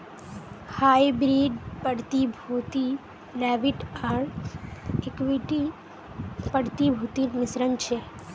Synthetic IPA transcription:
haːjbɾiːɖpəɽt̪ibʱuːt̪i | lɛːʋiʈaːɽ | ekʋiʈi | pəɽt̪ibʱut̪imɪsɾənt͡ʃʰe

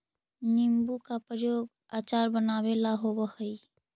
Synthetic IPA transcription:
nimbukapɾəjoːɡ | aːt͡ʃaːɾbənaːwelaɦobəhəi

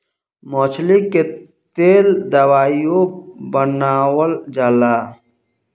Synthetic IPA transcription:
mɔːt͡ʃʰlike | t̪eːld̪əwaːjjõbənaːwəld͡ʒaːlaː

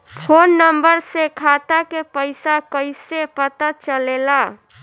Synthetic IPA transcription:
pʰonːəmbəɾsekʰat̪akepəɪsakəɪsepət̪at͡ʃəlela

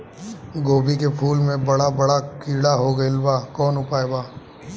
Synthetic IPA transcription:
ɡoːbikepʰuːlmẽbɐɽabɐɽakiːɽaɦoɡɐɪlbaːkɔːnʊpaːebaː

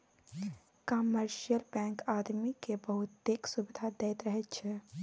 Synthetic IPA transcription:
kəməɾʃijəlbɛ̃ŋkad̪mikebəɦut̪d̪eksubid̪ʱad̪ɛjt̪ɾəɦɛt̪t͡ʃʰɛ

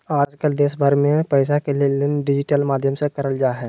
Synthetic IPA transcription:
aːd͡ʒkəld̪eːsbʱəɾmẽpɛɪs̬akelielɪnɖɪd͡ʒɪʈəlmaːd̪ʱjəmsekɐɾəld͡ʒaːɦɛː

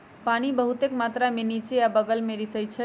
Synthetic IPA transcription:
panibəɦut̪ekmat̪ɾamenit͡ʃejabəɡəlmeɾisəjt͡ʃʰə

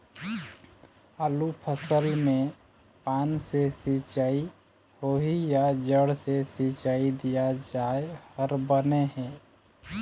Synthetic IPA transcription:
aːlupʰəsəlmẽ | paːnsesit͡ʃai | hoɦijad͡ʒəɽsesit͡ʃaid̪ijad͡ʒaehəɾbəneɦɛ̃

